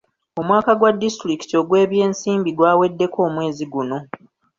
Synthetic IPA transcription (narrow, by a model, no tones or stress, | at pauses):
o̞mwaːkaɡwadːistɾiki̥to̞ɡwe̞ːβje̞ːnsiːmbiɡwaːwe̞dːe̞ko̞ːmwe̞ːziɡuno̞